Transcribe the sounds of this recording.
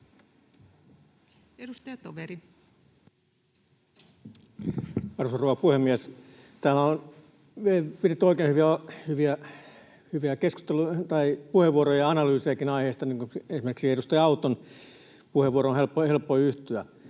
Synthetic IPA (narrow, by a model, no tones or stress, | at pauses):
edust̪ɑjɑt̪oʋeɾi | ɑrusɑroʋɑpuhemːiæs | t̪æːmæon | ʋiepiret̪ːyoˑikeːnhyʋiæhyʋiæ | hyʋiækeskust̪elut̪ɑipuheʋuorojɑɑnɑlyːsejɑkinɑiheˑːst̪ɑniːŋkuensimerksiedust̪ɑjɑɑut̪on | puheʋuoroonhelpːohelpːoiyht̪yæ